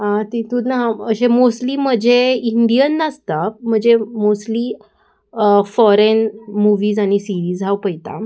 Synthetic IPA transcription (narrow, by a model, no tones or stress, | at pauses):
ɦãt̪it̪unaɦaəɕemosʈliːm̤əd͡ʑʱeiɳɖijənːəst̪am̤əɳd͡zemosʈliː | fɔɾenmuʋiːzaɽ̃isiɾiːzawpəjt̪a̰